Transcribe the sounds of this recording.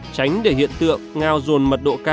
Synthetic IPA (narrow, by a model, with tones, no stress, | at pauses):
t͡ɕa˨˦jŋ̟ɗe˧˩ɦḭ˧˨ənt̪ɨ̰˧˨əŋːaː˧wzo˨˩nmə˨˩t̚ɗo̰˧˨kaː˧